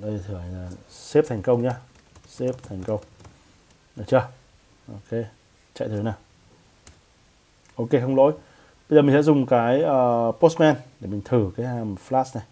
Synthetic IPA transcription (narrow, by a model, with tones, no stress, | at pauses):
ɗə˧jt̪ʰɨ˧˩˨ha˨˩ŋ̟laː˨˩se˦˥p̚t̪ʰa˨˩jŋ̟kə˧wŋ͡mɲaː˧se˦˥p̚t̪ʰɛ˨˩jŋ̟kə˧wŋ͡m | aː˨˩t͡ɕəː˧˩ | ʔo˧ke˧ | t͡ɕa̰˧˨jt̪ʰɨ˨˩naː˨˩w | ʔo˧ke˧xə˧wŋ͡mlo̰˧˥j | ɓə˧zmï˨˩ŋsɛ̰˧˥zʊ˨˩ŋ͡mkaː˨˦jʔəː˨˩po˦˥st̚mɛ˧nɗe˧˩mï˨˩ŋ̟t̪ʰɨ˧˩kaː˨˦jhaː˨˩mflaː˦˥sna˨˩j